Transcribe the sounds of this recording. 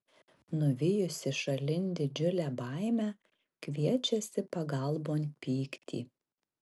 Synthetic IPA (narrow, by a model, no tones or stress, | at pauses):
nʊʋʲɪjʊsʲɪʃɐlʲɪnʲd̪ʲɪd͡ʒʲʊlʲæːbɐˑɪmʲæ | kʋʲiɛt͡ʃʲɛsʲɪpɐɡɐlˠboːnʲpʲiːkt̪ʲḭː